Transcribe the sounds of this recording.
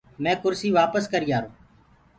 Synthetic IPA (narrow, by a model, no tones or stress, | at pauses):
mɛ̃ːkʊɾsiːʋaːpəskəɾiːaːɾoː